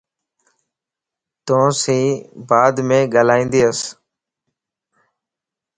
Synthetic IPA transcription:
t̪õːsĩːbaːd̪mẽːɡaːlaːĩːnd̪iːəs

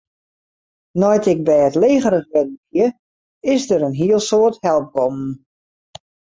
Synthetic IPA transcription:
nɔjtɪk̚bɛjətleːɣəɾəχʋɛdənkjə | ɪsdəɾənɦiəlˠsoːərthɛlˠp̚ɡɔmn̩

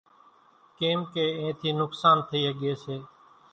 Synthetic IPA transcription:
keːmkeːẽːt̪ʰiːnʊksaːnt̪ʰəiːɦɠeːseː

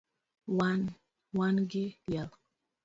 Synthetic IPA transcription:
wan | wanɡɪjal

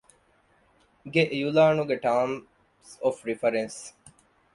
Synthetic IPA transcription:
ɡeʔjulaːnuɡeʈaːm | sofɾifɐɾens

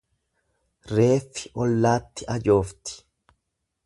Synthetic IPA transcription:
ɾe̞ːfːɪʔɔlːaːt̪ːɪʔɐd͡ʒo̞ːft̪ɪ̥

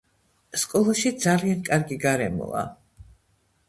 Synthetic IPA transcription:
skʼɔlˠaʃid̪zaliankʼaɾɡiɡaɾɛ̰mɔ̰a̰

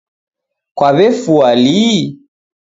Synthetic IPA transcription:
kwaβɛfuali

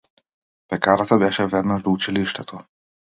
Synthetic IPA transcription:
pɛkaɾat̪abɛʃɛvɛd̪naʒd̪ɔut͡ʃiliʃt̪ɛt̪ʰɔ

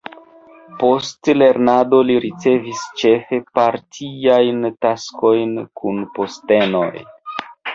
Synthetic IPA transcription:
po̞stle̞ɾnado̞liɾit͡se̞vist͡ʃe̞fe̞paɾtʰiajntasko̞jnkʰunpo̞ste̞no̞̰j

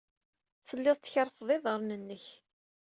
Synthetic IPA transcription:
θəlːɪðˤt͡sːçəɾˤfðˤɪðˤʁəɾˤnənːəç

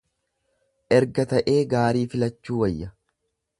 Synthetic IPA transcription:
ʔɛɾɡɐt̪ɐʔeːɡaːɾiːfɪlɐt͡ʃːuːwɐjːɐ

